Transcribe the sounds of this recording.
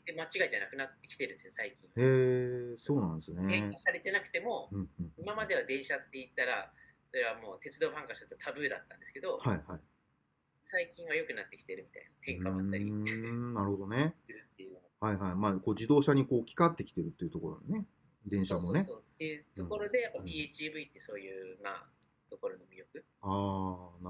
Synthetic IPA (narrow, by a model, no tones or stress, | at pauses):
emat͡ɕiɡaid͡ʑanakɯ̟nat̪ːe̞kʲi̥t̪e̞ɾɯ̟̃nd̪esjsaikʲĩɰ̃eso̞ːnãnd̪esɨneeasaɾe̞t̪e̞nakɯ̟t̪e̞mo̞ɯ̟̃ɴɯ̟̃ɴimamad̪e̞β̞ad̪ẽ̞ɰ̃ɕat̪ːe̞it̪ːaɾa | so̞ɾe̞β̞amo̞ːt̪e̞t͡sɨd̪o̞ːɸãŋkaɕi̥t̪at̪ot̪ʰabɯ̟ːd̪a̰t̪ːã̰nd̪e̞sɨ̥ke̞d̪o̞haihai | saikʲĩɰ̃ajo̞kɯ̟nat̪ːe̞kʲi̥t̪e̞ɾɯ̟mʲit̪a̰inat̪ẽ̞ŋkaaainaɾɯ̟ho̞d̪o̞neɯt̪ːejɯ | haiɦaimaːkoːd͡ʑid̪o̞ːɕaɲ̟ikoːkʲi̥kat̪ːe̞kʲi̥t̪eɾɯ̟t̪ːeiɯ̟t̪oko̞̰ɾo̰d̪ene̞ | d̪ẽɰ̃ɕaːmoonesoːt̪ːe̞jɯ̟t̪oko̞ɾo̞d̪e̞japːapʲit͡ɕibɯ̟it̪ːeɯ̟so̞ːjɯːma̰ | t̪o̞ko̞ɾo̞nomʲiɾjo̞kɯ̟ | aːn